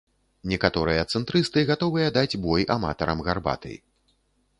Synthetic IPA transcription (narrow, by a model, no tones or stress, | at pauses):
nʲɛkat̪ɔɾɨjɐt̪sɨnt̪ɾɨst̪ɨɣat̪ɔvɨjɐd̪ad͡zʲbɔjama̰t̪ɐɾɐmɣarba̰t̪ɐ̰j